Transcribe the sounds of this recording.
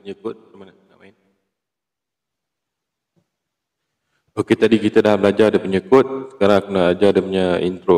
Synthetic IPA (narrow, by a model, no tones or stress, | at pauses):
əɲəkʊt̪̚amananaʔmaɪn | oket̪adikit̪ədaɦabəlad͡ʒadəpəɲəkʊt̪̚sə̥kaɾaŋakunaad͡ʒadəmɲaḭnt̪ɾo